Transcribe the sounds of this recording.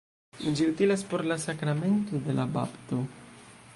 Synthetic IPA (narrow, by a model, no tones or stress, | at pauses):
d͡ʒiutilaspo̞ɾlasakɾame̞nto̞de̞laba̰pto̞